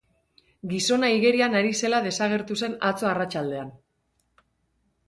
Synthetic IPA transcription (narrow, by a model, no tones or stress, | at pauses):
ɡiso̞naiɣe̞ɾianaɾise̞lað̞e̞saɣ̞e̞ɾt̪use̞nat͡so̞arat͡ʃald̪e̞an